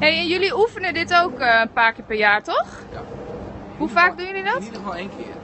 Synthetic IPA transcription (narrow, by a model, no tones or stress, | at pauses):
ɦejɛnjøliufənədɪtowkəənpaːɹkɪːɹpɛɹjaːɹtɔχ | ɦufaːk̚dujəlidɔtdflˠekɪ̰